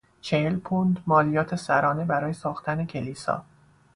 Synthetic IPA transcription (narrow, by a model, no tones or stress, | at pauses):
t͡ʃʰe̞helpʰond̪mɒːlijɒːt̪ʰe̞sæɾɒːne̞bæɾɒːje̞sɒːxt̪ʰæne̞cʲʰe̞liːsɒ̰ː